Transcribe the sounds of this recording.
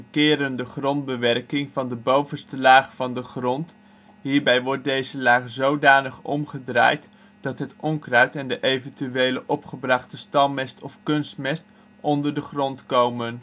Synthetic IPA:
kɪːɾəndəχrɔnd̚bəʋɛrkɪŋvɑndəbowvənstəlaːχfɑndəχrɔnt | ɦiːɹbɛjʋɔɹt̚dejzəlaːχzowdaːnəχɔ̰mχədra̰ːjt | d̥ɑtɦətɔŋkrœɥtɛndəʔejvəntyʋejləʔɔpχəbrɑχtəstɑlˠmɛstɔfkɵnstmɛst | ɔndəɹdəχrɔntkowmən

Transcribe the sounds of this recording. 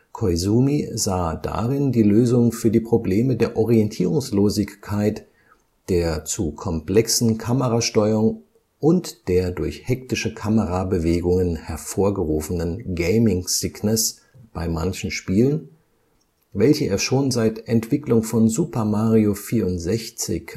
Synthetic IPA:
kʰɔʏzuːmizaːda̰ʁɪndiːløːzʊŋfyːɐdiːpʁ̥obleːmədeːɐʔɔʁiɛntʰiːʁʊŋsloːzɪçkʰaɪt | d̥eːɐt͡sukʰɔmpl̥ɛksn̩kʰaməʁaʃtɔʏəʁʊŋ | ʔʊntd̥eːɐdʊɐçhɛktɪʃəkʰaməʁabəveːɡʊŋənhɛɐfoːɐɡəʁuːfənənɡeɪmɪŋsɪɡnɛs | b̥aɪma̰nçn̩ʃpiːlən | vɛlçəʔeːɐʃoːnzaɪtʔɛntv̥ɪklʊŋfɔnzuːpɐmaːʁiofiːɐʊntz̥ɛçt͡sɪ̰ç

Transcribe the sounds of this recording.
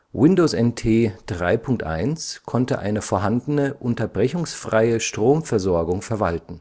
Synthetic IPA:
wɪndoːsʔɛntʰeːd̥ʁaɪpʰʊŋk̚tʔa̰ɪnskʰɔntəʔa̰ɪnəfoːɐɦandn̩əʔʊntɐbʁɛçʊŋsfʁ̥a̰ɪəʃtʁ̥oːmfɛɐzɔɐɡʊŋfɛɐvaltn̩

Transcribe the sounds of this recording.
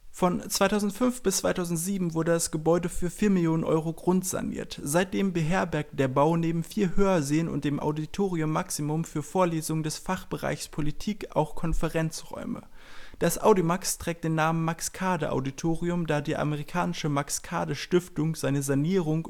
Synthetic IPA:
fɔnt͡sv̥aɪtʰaʊzn̩tfʏnfb̥ɪst͡sv̥aɪtʰaʊzn̩tz̥iːbm̩vʊɐdədasɡ̥əbɔʏdəfyːɐfiːɐmɪljoːnənʔɔ̰ʏʁoɡʁʊntz̥a̰nḭːɐtz̥aɪt̚d̥eːmbəɦɛɐbɛɐk̚t̚d̥eːɐbaʊneːbm̩fiːɐhøːɐzeːənʊ̰nt̚d̥eːmʔa̰ʊditʰoːʁiʊmːaksimʊmfyːɐfoːɐleːzʊŋdɛsfaχb̥əʁa̰ɪçspʰolitʰiːkʔa̰ʊxkʰɔnfəʁɛnt͡sʁ̥ɔ̰ʏmə̰d̥asʔa̰ʊdimakstʁ̥ɛːk̚t̚d̥eːnːaːmənmakskʰaːdəʔa̰ʊditʰoːʁiʊmdaːdiːʔa̰məʁikʰaːnɪʃəmakskʰa̰ːdəʃtɪftʊŋz̥aɪnəzaniːʁʊŋ

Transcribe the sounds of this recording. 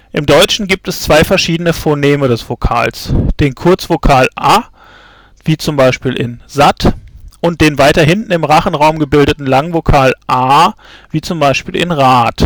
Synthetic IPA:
ʔɪmdɔʏt͡ʃn̩ɡiːp̚tɛst͡sv̥aɪfɛɐʃiːdənəfoːɐneːmədɛsv̥okʰa̰ːlsd̥eːnkʰʊɐt͡sv̥okʰaːlʔaː | v̥iːt͡sʊmbaɪʃpiːlʔɪ̰nzatʔʊnt̚d̥eːnvaɪtɐɦɪntn̩ɪmʁaχn̩ʁaʊmɡəbɪldətn̩laŋvokʰaːlʔaː | v̥iːt͡sʊmbaɪʃpiːlɪ̰nʁaːt

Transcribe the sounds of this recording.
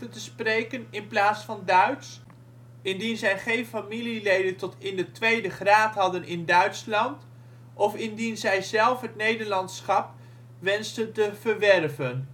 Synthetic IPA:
ətəsprejkənɪnplaːtsfɑndœɥts | ɪndinzɛjχejnfamililejdəntɔtɪndətʋejdəχraːtɦɑdənɪndœɥtslɑnt | ɔfɪndinzɛjzɛlˠfɦət̚nejdəɹlɑntsχɑp | ʋɛnstəntəv̥əɹʋɛrvən

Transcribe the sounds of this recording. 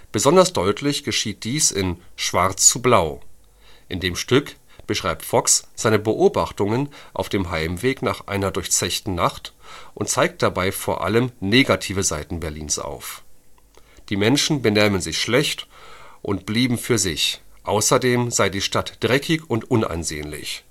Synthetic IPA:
b̥əzɔndɐsd̥ɔʏtʰlɪçɡ̥əʃiːt̚d̥iːsɪnʃv̥aʁt͡st͡sublaʊ | ʔɪndeːmʃtʏk | b̥əʃʁ̥aɪp̚tfɔksz̥aɪnəbəʔoːbaχtʊŋənʔa̰ʊfd̥eːmɦaɪmveːknaːχʔa̰ɪnɐdʊɐçt͡sɛçtn̩naχtʔʊntt͡saɪk̚t̚d̥abaɪfoːɐʔa̰ləmneːɡatʰiːvəzaɪtn̩bɛɐliːnsʔa̰ʊf | d̥iːmɛnʃn̩bənɛɐmənzɪçʃlɛçtʔʊ̰ntb̥liːbm̩fyːɐzɪçʔaʊsɐdeːmzaɪdiːʃtatd̥ʁɛkʰɪçʊntʔʊnʔa̰nzḛːnlɪ̰ç

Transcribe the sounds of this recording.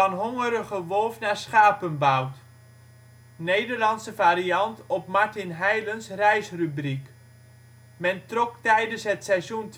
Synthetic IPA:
ɑnɦɔŋəɾəχəʋɔlˠfnaːɹsχaːpənbawt | nejdəɹlɑnsəvaːɾiɑntɔp̚maɹtɪnɦɛjlənsrɛjsrybrik | mɛntrɔktɛjdənsɦətsɛsunt

